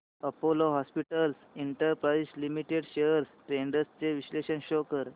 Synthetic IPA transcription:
əpoloɦɔspiʈəlsiɳʈəɾpɾaislimiʈeɽɕejəɾsʈɾeɳɖəst͡seʋisleɕənɕokəɾ

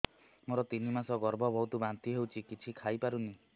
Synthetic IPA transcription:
moɾɔt̪inimasɔɡɔɾbʱɔbʱɔɦwt̪ubant̪iɦewt͡ʃʰikit͡ʃʰikʰajpaɾuni

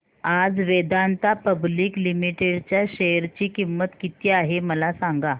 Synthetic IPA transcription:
ad͡zʋed̪ant̪apəbliːklimiʈeɽt͡ɕjaɕeɾt͡ɕiːkimːət̪kit̪iːaɦeməlasaŋɡa

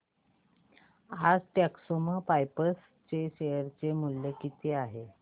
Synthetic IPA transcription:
ad͡zʈ̪aksoməpajpəs | t͡ɕeɕejəɾt͡semuljəkit̪ʰeaɦe

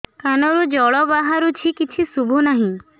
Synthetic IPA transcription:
kanɔɾud͡ʒɔɭɔbaɦaɾut͡ʃʰikit͡ʃʰisubʱunaɦĩ

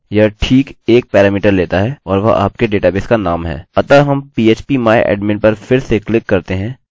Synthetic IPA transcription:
jaʈʰiːkeːk̚pɛːɾaːmiːʈəɾleːt̪aɦɛɔːɾʋɐʔa̰ːp̚keɖeːʈaːbɪskanaːmɦɛ̰ːɐt̪aɦɐmpiːeːt͡ʃpimaːj̰ʔɛ̰ːɖmɪɳpɐɾfʰɪɾseklɪkːɐɾt̪eɦɛ̃ː

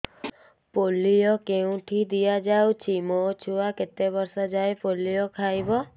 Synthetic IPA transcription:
polijɔkeũʈʰid̪ijad͡ʒawt͡ʃʰimot͡ʃʰuaket̪ebɔɾsɔd͡ʒajpolijɔkʰajbɔ

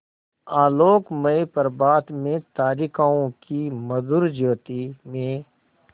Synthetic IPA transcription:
aːloːkmɐepɐɾbaːd̪mẽt̪aːɾikaːõkimɐd̪uɾd͡ʒoːt̪imẽ

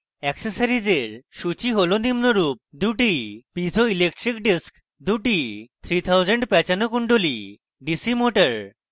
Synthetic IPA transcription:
ɛkseɾsaɾid͡ʑeɾʃut͡ɕiɦolonimnoɾup̚d̪uʈipid͡ʑʱoilek̚ʈɾikɖisk | d̪uʈit̪ʰɾit̪ʰawd͡ʑeɳɖpɛt͡ɕanokuɳɖoli | ɖisimoʈaɾ

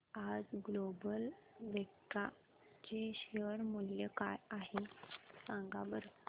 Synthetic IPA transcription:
ad͡zɡlobəlʋekʈa | t͡ɕeɕeəɾmuljəkajaɦesãŋɡabəɾ

